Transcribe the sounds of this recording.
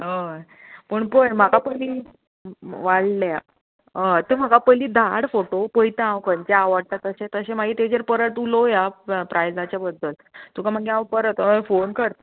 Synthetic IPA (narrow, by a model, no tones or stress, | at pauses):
ɦə | pəɳpəjm̤akapəli | ʋaɽla | ət̪em̤akapəliːd̪aɽfoʈopəjt̪ããwkəɲt͡ɕaːʋaɽ̚t̪at̪əɕẽt̪əɕẽmaɡiːt̪ed͡ʑeɾpəɾəʈulojapɾajd͡zat͡ɕjabəd̪ːəl | t̪ukam̤əɡeãwpəɾət̪fonkəɾt̪